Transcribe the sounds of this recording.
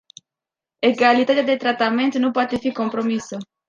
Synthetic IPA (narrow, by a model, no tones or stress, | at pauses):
e̞ɡalit̪at̪ead̪e̞t̪ɾat̪ame̞nt̪nupoat̪e̞fiko̞mpɾo̞misə